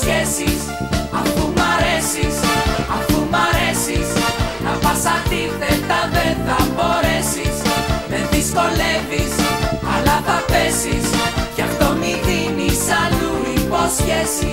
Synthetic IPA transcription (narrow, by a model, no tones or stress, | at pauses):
esis | ɐfumɐɾe̞sisɐfumɐɾe̞sisnɐpɐsɐθiθent̪ɐve̞θɐbo̞ɾe̞sisðenðisko̞le̞visɐlɐθɐfe̞sisʝɐft̪o̞miðinisɐluipo̞sçe̞si